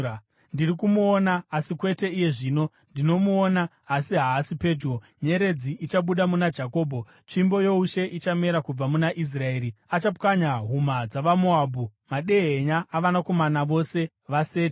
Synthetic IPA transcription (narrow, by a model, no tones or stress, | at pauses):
ndirikumuonaːsikwe̞te̞ije̞ʐiːno̞ | ndino̞muoːnaː | siɦaːsipe̞two | ɲe̞ɾe̞d͡ziʔit͡ʃaɓuɗamunad͡ʒako̞ːbʱo̞ | t͡ʃimbo̞jo̞uʃe̞ʔit͡ʃame̞ɾakub͡vamunaʔis̬rae̞ːɾiat͡ʃapkaɲaɦumad͡zaʋamoabʱumaɗe̞ɦeɲaːʋanako̞manaʋo̞se̞ | ʋase̞ːt